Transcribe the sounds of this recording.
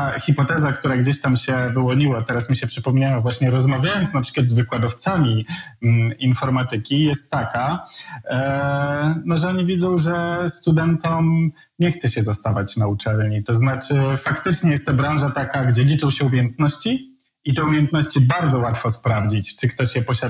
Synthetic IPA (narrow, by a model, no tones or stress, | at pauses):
t̪axʲipɔt̪ɛzakt̪uɾaɡd͡ʑeɕt̪amɕɛvɘwɔɲiwat̪ɛɾasmʲiɕɛpʂɘpɔmɲawavwaɕɲɛɾɔzmavʲjajɔnt̪snapʂɘ̥kwad̪zvɘkwad̪ɔft̪samʲi | infɔɾmat̪ɘkʲijɛst̪ːaka | nɔʐɛɔɲivʲjidzɔ̃w̃ʐɛst̪ud̪ɛnt̪ɔm | ɲɛxt̪sɛɕɛzast̪avat͡ɕnaut͡ʂɛlɲit̪ɔznat͡ʂɘfakt̪ɘt͡ʂɲɛjɛst̪ːɔbɾawʐat̪akaɡd͡ʑɛlʲit͡ʂɔ̃w̃ɕɛumʲjɛnt̪nɔɕt͡ɕi | it̪ɛumʲjɛnt̪nɔɕt͡ɕibaɾd̪zɔwat̪fɔspɾavd͡ʑit͡ɕt͡ʂɘkt̪ɔɕjɛpɔɕa